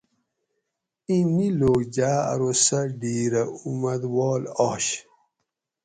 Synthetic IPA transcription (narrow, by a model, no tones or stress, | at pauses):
ĩniloːɡd͡ʑaːɐ̰ɾosɐɖiːɾɐumɐd̪wɔːlɔɕ